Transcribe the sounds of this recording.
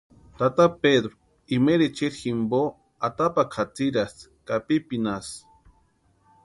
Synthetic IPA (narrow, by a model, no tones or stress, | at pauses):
t̪at̪aped̪ɾo | imeɾet͡ʃiɾximbo | at̪apakʰat͡siɾaskapipinas